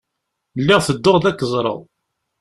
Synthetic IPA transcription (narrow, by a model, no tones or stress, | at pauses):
lːɪʁθəd̪ːoʁðækːəzˤɾˤə̰ðˤ